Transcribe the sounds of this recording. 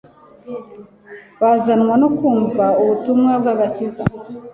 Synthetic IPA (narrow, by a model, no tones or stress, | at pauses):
βazanŋwanokuːɱvauβutumŋab̚ɡaɡaciza̰